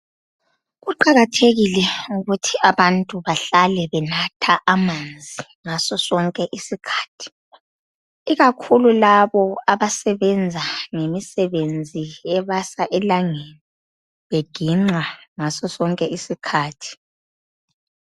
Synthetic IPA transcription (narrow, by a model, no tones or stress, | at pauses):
ɣuǃaɣatʰeɣilɛuɣutʰiaβantʼuβaɬalɛβɛnatʰaʔamand͡zʱi | ŋasɔsɔŋkʼɛʔisikʰḁːtʰi̥ | iɣakʰululaβɔaβasɛβɛnd͡zʱaŋemisɛβend͡zʱijɛβasaʔɛlaŋeni | βeɡ̥ʱiŋ͡ǁaŋasɔsɔŋkʼɛisikʰaːtʰi̥